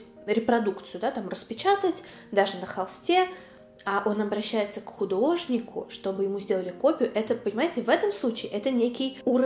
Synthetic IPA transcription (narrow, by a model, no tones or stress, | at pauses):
ɾʲɪpɾɐd̪ukt̪sɨjʊd̪at̪amrəspʲɪt͡ɕat̪ətʲ | d̪aʐɨnəxɐlˠsʲtʲe̞ | aʔo̞nɐbɾɐɕːæjɪt̪səkxʊd̪o̞ʐnʲɪkʰʊ̰ʂt̪o̞bɨjɪmuzʲdʲe̞lˠəlʲɪko̞pʲjʊʔɛt̪əpənʲɪmajɪtʲɪvɛt̪əmslˠut͡ɕɪːʔɛt̪ənʲekʲɪjuɾə